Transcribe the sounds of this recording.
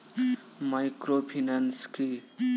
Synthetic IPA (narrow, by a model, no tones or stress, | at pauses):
majkɾopʰinanski